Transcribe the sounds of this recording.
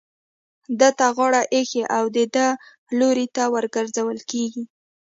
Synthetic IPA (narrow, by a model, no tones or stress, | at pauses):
d̪ət̪aɣɑɽaʔexeʔawd̪əd̪ə | loɾit̪awəɾɡəɾzawəlkeɡi